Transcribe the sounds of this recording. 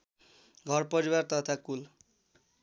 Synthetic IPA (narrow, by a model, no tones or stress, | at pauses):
ɡʱʌrpʌɾiwart̪ʌt̪ʰakul